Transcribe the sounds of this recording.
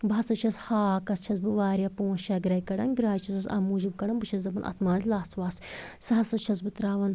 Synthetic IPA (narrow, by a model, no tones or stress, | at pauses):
bʱɐsɐt͡ʃʰɐshaːkɐst͡ʃʰɐsbɨʋaːɾʲjaːpõːst͡ʃaɡɾɐjkɐɽɐnɡɾaːjt͡ʃʰɐsɐsɐ̰ːmuːd͡ʒib̚kɐɽɐnbɨt͡ʃʰɐszɐbɐnʔɐ̰t̪ʰmaːzlaːsʋaːssɐɦɐsɐt͡ʃʰɐs̬bɨt̪ɾaːʋɐn